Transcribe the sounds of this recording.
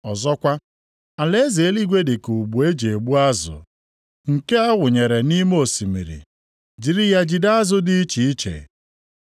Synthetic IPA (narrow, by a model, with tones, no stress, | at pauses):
ɔ˨zɔ˦kʷa˦ | a˨le˦ze˨˦li˦ɡʷe˦dɪ˨ku˨ɡ͡bu˨e˦d͡ʒe˨ɡ͡bu˦a˦zʊ̰˨ | ŋ̩˨ke˦a˦wʊ˨ɲe˨ɾe˨ni˦m˦o˨si˨mḭ˨ɾḭ˨ | d͡ʒi˨ɾi˦ja˦d͡ʒi˨da˦a˦zʊ˦dɪ˦i˦t͡ʃi˨i˦t͡ʃḛ˨